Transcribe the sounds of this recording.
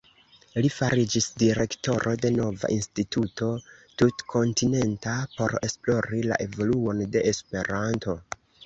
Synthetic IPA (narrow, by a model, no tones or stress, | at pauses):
lifaɾid͡ʒisdiɾe̞kto̞ɾʔo̞de̞no̞va̰ʔinstituto̞tutkʰo̞ntine̞ntapo̞ɾe̞splo̞ɾila̰ʔe̞vo̞luo̞nde̞espe̞ɾanto̞